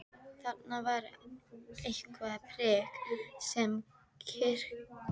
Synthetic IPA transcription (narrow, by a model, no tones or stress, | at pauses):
θat̪navaɾ | ehkvaðapʰɾɛːksɛm | cʰɪr̥k